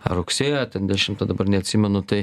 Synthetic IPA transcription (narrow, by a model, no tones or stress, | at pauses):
ɐɾʊksʲeːjɛt̪ʲɛnd̪ʲɛʃʲɪmt̪ɐd̪ɐbɐɾnʲɛɐt̪ʲsʲimʲɛnʊt̪ɐɪ